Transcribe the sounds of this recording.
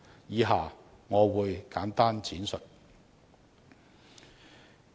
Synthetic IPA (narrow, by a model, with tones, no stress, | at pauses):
jiː˨˧ɦaː˨˩ŋɔː˨˧wuː˨˧jkaː˨˥nt̪aː˥nt͡sʰiː˨˥nsɵ˨t̚